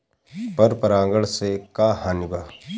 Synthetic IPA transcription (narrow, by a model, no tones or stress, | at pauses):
pɐɾpəɾãːŋɡəɭsekaːhanɪɡaː